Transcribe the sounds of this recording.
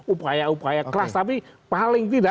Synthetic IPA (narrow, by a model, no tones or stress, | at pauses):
upajaupajakəlast̪apipalɪŋt̪̬ida